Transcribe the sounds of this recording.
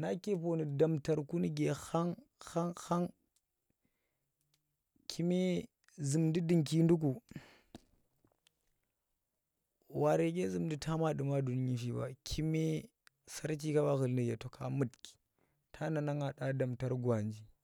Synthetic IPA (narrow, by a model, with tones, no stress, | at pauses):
na˦ke˦po˨ni˨da˨mta˨ɾku˦ni˦ɡe˨xa˦ŋ | xa˦ŋxa˦ŋ | kʰi˦me˦ | zɨ˨mdi˦dɨ˨ŋki˦ndu˦k̬u˨ | wa˨ɾe˨ɡe˦zɨ˨mdi˦tʰa˦ma˦ɗɨ˨ma˦du˨n˦i˦fi˦ba̰˨kʰi˦me˦ | sa˦ɾt͡ʃi˦ka˦ba˦ɣə˨lni˨ɡe˨to˨kʰa˨mɨ˦˨tki̥˨ | tʰa˦na˨na˦ŋa˨ɗa˦da˨mta˦ɾɡwa˨nd͡ʒi˦